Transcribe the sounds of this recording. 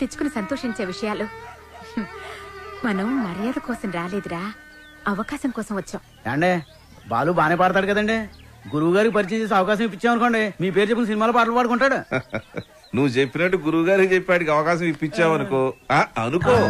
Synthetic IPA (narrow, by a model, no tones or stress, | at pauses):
t̪et͡ʃːu̥kunisɐnt̪oːʂiɲt͡ʃeːʋiʂɐjaːlu | mɐnɐmːɐɾijaːd̪ɐkɔːsɐmɾaːleːd̪uɾaː | ɐʋɐkaːsɐmkɔːsɐmʋɐt͡ʃːaːm | ɛ̰ːɐɳɖeː | ba̰ːluːbaːneːpaːɽt̪̬aːɽukɐd̪ɐɳɖe | ɡuɾuuɡaːɾikipɐɾit͡ʃiɲt͡ʃeːs̬eːɐʋɐkaːʃ̬ɐmʋip̬ːit͡ʃːaːmɐnkoɐɳɖimiːp̬eːɾud͡ʒepːkinɐsinimaːloːpaːʈ̬ɐlɐpaːɽukuɳʈaːɽu | nuʋːut͡ʃepːinɐʈːuɡuɾuwuɡaːɾikit͡ʃepːaːɽikiɐʋɐkaːʃ̬ɐmipːit͡ʃːaːʋɐnukoːaːɐnukoː